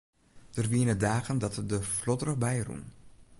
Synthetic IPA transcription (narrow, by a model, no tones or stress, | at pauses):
d̥ərʋiənədaːɣəndɑtdəflɔdrəχbɛjrṵn